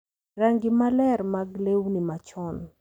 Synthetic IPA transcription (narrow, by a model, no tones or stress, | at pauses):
raŋɡimalɛɾmaɡlewnimat͡ʃɔn